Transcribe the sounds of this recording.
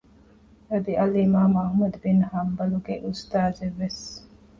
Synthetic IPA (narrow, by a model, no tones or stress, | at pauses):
ɐd̪iʔɐlimaːmɐhmɐd̪binhɐmbɐluɡeʔust̪aːzeʋːes